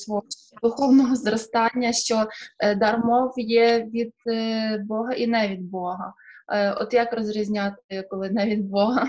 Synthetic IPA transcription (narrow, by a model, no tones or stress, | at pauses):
sʋɔɔ | d̪ʊxɔwnɔɦɔzɾɔst̪ɑnʲːɐʃt͡ʃɔd̪ɐrmɔwjɛʋʲid̪̚bɔɦɐʔinɛʋʲid̪̚bɔɦɐ̰ɔ̰t̪jɐkrɔzɾʲizʲnʲɑt̪ɪkɔlˠɪnɛʋʲid̪bɔɦɐ